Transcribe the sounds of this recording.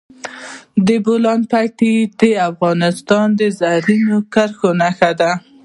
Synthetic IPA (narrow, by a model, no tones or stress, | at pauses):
d̪əbolɑnpaʈid̪əafɣɑnɪst̪ɑnd̪əzaɾinokaɾxonaxad̪a